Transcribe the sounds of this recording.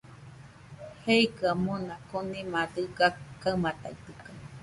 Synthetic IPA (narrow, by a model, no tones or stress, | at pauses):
heikɯamõnãkonĩmãdɨɡakaɨmãt̪ait̪ɯka